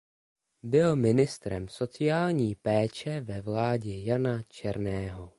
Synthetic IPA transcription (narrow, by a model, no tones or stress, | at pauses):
bɪlmɪnɪst̪ɾɛmso̞t͡sɪjaːlɲiːpɛːt͡ʃɛvɛvlaːɟɛjanat͡ʃɛɾnɛːɦo